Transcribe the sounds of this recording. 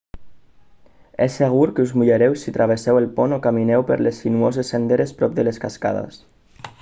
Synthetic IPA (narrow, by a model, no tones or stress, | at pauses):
esːeɣ̞uɾkeuzmuʎeɾɛwsit̪ɾaβ̞esɛwelˠpɔnokaminɛwpə̰ɾlesːinuozesːend̪eɾespɾɔp̚d̪əleskaska̰ðḛs